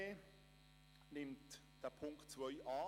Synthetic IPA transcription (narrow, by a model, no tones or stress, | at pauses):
e | nɪmt | d̥əpʰʊŋktt͡svœʏʔɑː